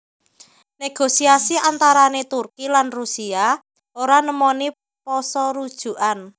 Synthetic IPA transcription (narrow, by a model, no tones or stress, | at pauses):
neɡ̥osiasiant̪aɾanet̪urkilanrusia | oɾanəmɔni | pɔsɔɾud̥ʒ̥ṳʔan